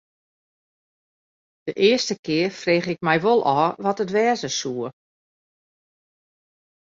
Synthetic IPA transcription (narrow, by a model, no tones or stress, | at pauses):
d̥əʔɪəstəkʰɪərfreːxɪk̚mɛjʋolˠʔɔːʋɔtətʋɛːzəsuə